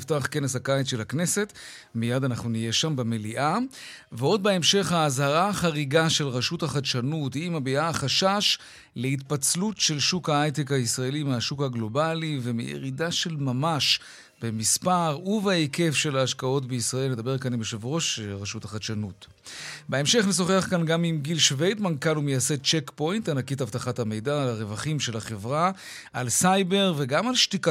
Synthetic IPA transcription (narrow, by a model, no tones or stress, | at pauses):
ftaχke̞neshakait͡sʃelakne̞se̞t | mijad̪anaχnunije̞ʃambemeliʔa | veo̞d̪̚beemʃe̞χhaːzhaʁaχaʁiɡaʃe̞lʁaʃuthaχatʃanuthiimabiaːχaʃaʃ | lehitpat͡slutʃe̞lʃukhaajtekhaisʁaelimeaʃukhaɡlo̞balivemḭjḛʁidaʃe̞lmamaʃ | be̞mispaʁuveeke̞fʃe̞laːʃkao̞tbeisʁaelned̪abe̞ʁkanimʃevʁo̞ʃʁaʃuthaχaʃanut | beemʃe̞χneso̞χeaχkanɡamimɡilʃvejdmankanumejase̞t͡ʃekpo̞jntanakitavtaχathame̞jdaːlaʁevaχimʃe̞laχevʁa | ʔalsajbe̞ʁveɡamalʃtik